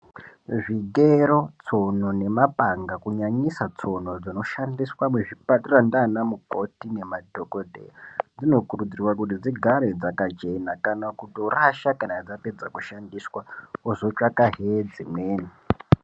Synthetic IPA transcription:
ʐiɡeɾo̞t͡so̞no̞ne̞mapaŋɡakuɲaɲisat͡so̞no̞d͡zino̞ʃandiswamweʐipaturandanamuko̞tine̞madʱokodʱḛjad͡zino̞kurud͡zirwakut̬id͡ziɡʱaɾed͡zakat͡ʃe̞nakanakutioraʃakanad͡zape̞d͡zakuʃandiswaozo̞t͡ʃakaɦed͡zimweːni

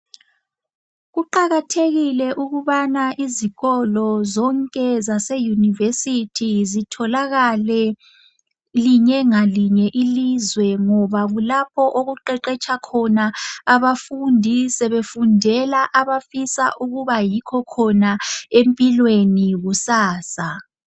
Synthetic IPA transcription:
ɣuǃaɣatʰeɣilɛʔuɣuβanaʔiziɣɔlɔzɔŋkʼɛzasejunivesitʰizitʰɔlaɣalɛ | liɲɛŋaliɲɛʔilizwɛŋɔβaɣulapʰɔʔoɣuǃɛǃɛt͡ʃʰʼakʰɔnaaβafundʱisɛβefundʱɛlaʔaβafisa̰ʔuɣuβajikʰɔkʰɔnaempʼilweniɣusaːsa

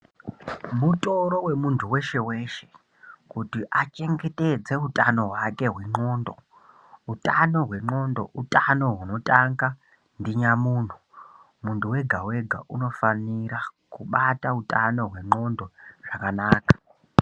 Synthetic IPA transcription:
muto̞ɾo̞we̞muntʰuwe̞ʃe̞we̞ːʃe̞̥ | kutiʔat͡ʃe̞ŋɡe̞te̞d͡ze̞utʼano̞ɦwake̞ɦwe̞ŋ͡ǃo̞ːndo̞ | utano̞ɦwe̞ŋ͡ǃo̞ndo̞̰ʔutʼano̞ɦuno̞tʼaŋɡa | ndiɲamuːn̤u | muntuwe̞ɡʱawe̞ɡʱa̰ʔuno̞faniɾakuɓatautʼano̞ɦwe̞ŋ͡ǃo̞ndo̞ʐ̥akanaːkḁ

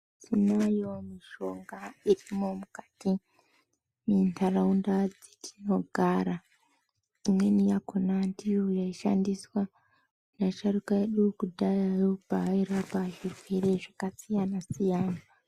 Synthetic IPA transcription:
tʰinajo̞miʃo̞ŋɡairimo̞mukati | mintʰaraundad͡zi̥tʰi̥no̞ɡʱaɾa | imwe̞nijakonantiujaiʃa̰ndiswa | naʃarukaeɗukudʱajaopaiɾapaʐireɾeʐakasijanasijaːna

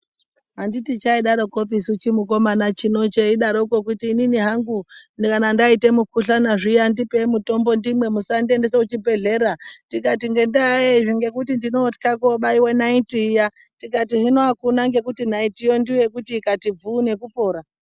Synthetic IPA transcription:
ɦanditit͡ʃaiɗaɾokopisut͡ʃimuko̞manat͡ʃino̞t͡ʃe̞iɗaɾouko̞kutiːniniɦaŋɡunkanandaite̞mukʰuɬanaʐijandipemuto̞mbo̞ndimwe̞musandendeseut͡ʃibe̞ɮe̞ɾadikatiŋɡe̞ndaeʐiŋɡe̞kutindinoti̥kakoɓaiwenaitiːja | tikat̬iʐinoakunaŋɡe̞kutinaitijo̞ndiwe̞kutiːkatib͡vuːne̞kupo̞ːɾa

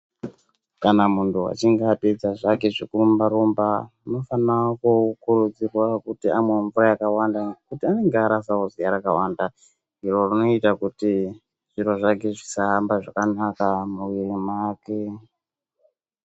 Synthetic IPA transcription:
kanamuntʰuwa̰t͡ʃiŋɡaped͡zaʐakeʐikuumbaɾumbauno̞fanakukuɾud͡zirwakutiamweɱvurajakawandakutiane̞ŋɡeaɾasaozijaɾakawanda | iɾo̞rino̞itakuti | ʐ̥iɾo̞ʐakeʐisaɦambaʐakanakamuiemaːke

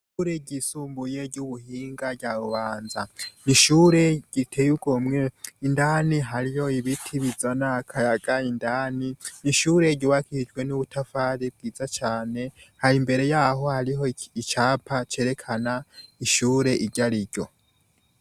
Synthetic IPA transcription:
ʃuɾeɟisuːmbuje̞ɾɟuβuhiːŋɡaɟaβuβaːnzaniʃuːɾe̞ɟ̥itʰe̞juɡ̥o̞mŋeindaːniɦaɾijo̞iβitʰiβizanakʰaɾaɡaindaːniniʃuːɾe̞ɟiwakid͡ʒɡwe̞nuβutʰafaːɾib̚ɡiːzat͡ʃaːne̞haɾimbe̞ɾe̞jaːɦo̞haɾiɦo̞it͡ʃaːpʰat͡ʃe̞ːɾe̞kʰanaiʃuːɾe̞ʔiɾɟaɾiɾɟo̞

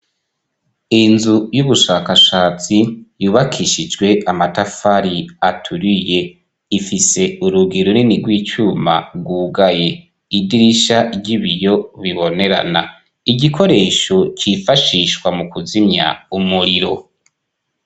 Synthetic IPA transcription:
inzujuβuʃaːkaʃaːt͡sijuːβakʰiʃid͡ʒɡwe̞ʔamatafaɾiatʰuɾije̞ | ifise̞uɾuɡiɾuniniɡwiːt͡ʃuma̰bɡwuːɡaje̞ | idiɾiʃaɟiβijo̞βiβo̞ne̞ɾa̰na | iɟikʰo̞ɾe̞ːʃo̞cifaʃiʃwamukuzimɲa̰umuɾiɾo̞

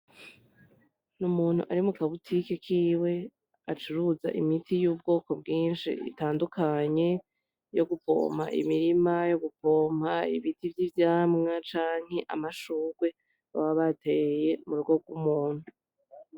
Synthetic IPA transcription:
numuːn̥ṵʔaɾimukaβutʰikekʰiːwe̞ | at͡ʃuɾuza̰ʔimitijuːb̚ɡo̞ːko̞bɡiːnʃḭḭtaːndukʰaɲe̞ | jo̞ɡupo̞̰m̤̥ha̰ʔḭmiɾimajo̞ɡupo̞ːm̥haḭβitivjivjaːmŋat͡ʃaːŋ̥he̞ʔa̰maʃuːɡ̥we̞ | aβaβate̞je̞muɾuɡo̞ɡwumuːn̥u

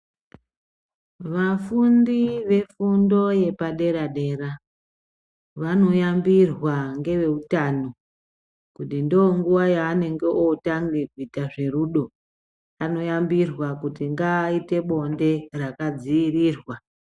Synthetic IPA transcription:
ʋafundiʋe̞fundo̞je̞paɗe̞ɾaɗe̞ɾa | ʋano̞jambirwaŋɡe̞ʋe̞utano̞ | kutindooŋɡuʋajaːne̞ŋɡe̞ʔotaŋɡeɡʱitaʐe̞ruːɗo̞ | ano̞jambirwakutiŋɡaite̞ɓo̞nde̞rakad͡ziiriːrwa

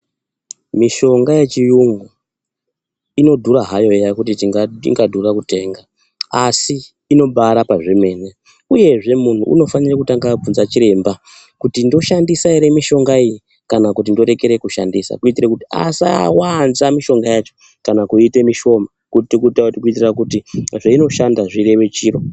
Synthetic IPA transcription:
miʃo̞ŋɡaje̞t͡ʃijuŋɡu | ino̞dʱuɾaɦajo̞jakutitiŋɡaḭŋɡadʱurakute̞ːŋɡa | asiː | no̞ɓaɾapaʐeme̞ːne | uje̞ʐe̞mun̤uʔṵno̞fanirakutaŋɡab͡vunzat͡ʃiɾe̞ːmba | kutindo̞ʃandisaeɾe̞miʃo̞ŋɡaiji | kanakut̬indo̞ɾe̞keɾe̞kuʃa̰ndisa̰kuitirekutia̰sawanzamiʃo̞ŋɡajat͡ʃo | kanakuite̞miʃo̞makuitikutautikuitirakutiʐaino̞ʃandaʐire̞ʋe̞t͡ʃiːro̞

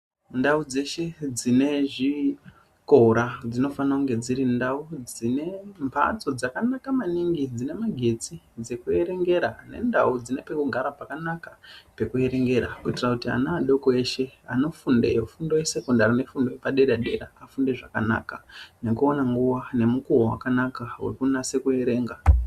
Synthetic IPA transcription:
ndaud͡ze̞ʃe̞d͡zine̞ʐi | ko̞ɾad͡zino̞fanauŋɡe̞d͡ziɾindaud͡zine̞mpʰa̰t͡so̞d͡zakanakamaniŋɡid͡zine̞maɡʱe̞t͡si | d͡ze̞kue̞ɾe̞ŋɡe̞ɾane̞̰nda̰ud͡zine̞pe̞kuɡʱaɾapakanakape̞kue̞ɾe̞ŋɡe̞ɾa̰kuitirakutia̰naːɗo̞koeʃe̞ano̞funde̞̰jofundojese̞kondarine̞fundo̞jepaɗe̞ɾaɗe̞ɾaːfunde̞ʐaka̰na̰ːkane̞kuonaŋɡuwane̞mukuwowa̰kanakawḛkunase̞kue̞ɾe̞ːŋɡa

